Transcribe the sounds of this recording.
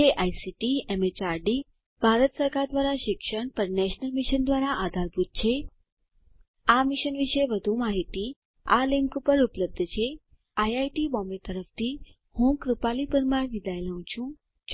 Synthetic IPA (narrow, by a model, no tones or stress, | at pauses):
eʔajsiʈiemet͡ʃaɾɖi | b̥ʱaɾət̪səɾkaɾd̪ʋaɾaʃɪkʃəɳpəɾnɛʃnəlmɪʃənd̪ʋaɾaʔad̪ʱaɾbʱut̪̚t͡ʃʰe | amɪʃənʋiʃeʋəd̪ʱũmaɦit̪i | alɪŋkupəɾupləb̚d̪ʱt͡ʃʰe | ajajʈibɔmet̪əɾəft̪ʰi | hũkɾupalipəɾmaɾʋid̪aelaɦũt͡ʃʰũ